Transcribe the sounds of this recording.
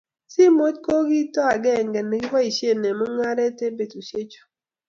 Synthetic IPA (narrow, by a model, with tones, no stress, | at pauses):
si˦mo˦tko˦ɡi˦tɔ˦a˨ɡɛ˦˨ŋɡɛ˨ne˨ɡi˦wa˦i˨ʃje˦˨nɛ˨mɔ˦ŋa˦ɾɛ˦te˦be˨tu˨ʃe˦t͡ʃo̥˨